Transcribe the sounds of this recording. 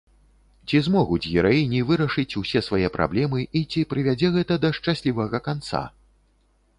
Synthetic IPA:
t͡sʲizmɔɣud͡zʲɣʲɛɾajinʲivɨɾɐʂɨt͡sʲusʲɛsvajɛpɾʔa̰blʲɛmɨʔit͡sʲipɾɨvʲad͡zʲɛɣɛt̪ɐd̪ɐʂt͡ʂasʲlʲivɐɣɐkant̪sa̰

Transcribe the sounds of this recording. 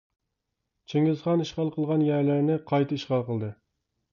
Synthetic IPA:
t͡ʃʰeŋɪzχɑniʃqɑlˠqʰəlˠʁɑnjæɾlɪɾnɪqʰɑjt̪ʰɨiʃqɑlˠqəlˠd̪ɨ

